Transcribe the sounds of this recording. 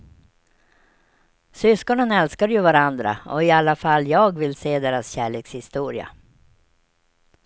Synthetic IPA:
sʏskɔɳənɛlskaɾjɵvaɾand̪ɾa̰ɔɪalːafalːjɑːɡvɪlseːd̪eːɾasɕæːɭeːkshɪst̪uːɾɪa̰

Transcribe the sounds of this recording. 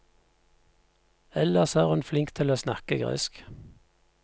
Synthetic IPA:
ɛləsæːʁʉnflɪŋkt̪ʰɪloːsnɑkəɡʁḛsk

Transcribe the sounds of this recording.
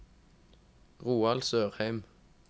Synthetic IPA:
ʁuːɑlsøːʁhæɪm

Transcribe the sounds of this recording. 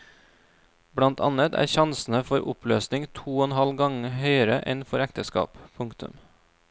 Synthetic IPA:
bɽɑnt̪ʰɑnət̪ʰæ̰ːɾçɑnsn̩əfɔɾʔʊ̰pløːsnɪŋt̪ʰuːɔnhɑlɡɑŋhœʏəɾəʔɛnfɔɾækt̪əskɑ̰ːppʰʊŋkt̪ʉ̰m

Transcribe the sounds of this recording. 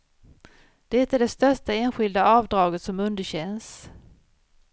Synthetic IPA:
d̪̥ɛt̪æɖɛst̪œʂʈaeːnɧɪld̪aɑːvd̪ɾɑːɡət̪sɔmɵnd̪əɕɛns

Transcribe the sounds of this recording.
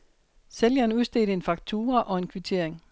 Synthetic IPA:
seljɐnuðˠsd̥e̝̰ːd̥əe̝nfɑ̈ɡ̥̚t͡sʰuːɐʔɒ̽e̝nkʰʋit͡sʰe̝ɐ̰eŋ

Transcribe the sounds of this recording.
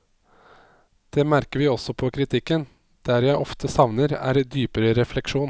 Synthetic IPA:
d̪̥ɛːmæɾkəɾʋɪːɔsɔpʰɔkʰɾɪt̪ʰɪkːən | d̪̥æɾjæɪʔɔft̪ʰəsɑʋnəɾæ̰ːɾd̪yːpəɾəɾɛflɛkʂuːn

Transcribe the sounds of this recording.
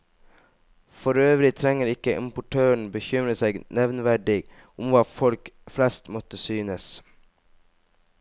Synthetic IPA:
fɔɾøːʋɾɪt̪ʰɾɛŋəɾɪkəʔɪ̰mpʊʈʰøːɳ̩bəçʏmɾəseːɡnɛʋnʋæɖɪɡ | ʊmʋɑːfɔlkflɛst̪mɔt̪əsyːnəs

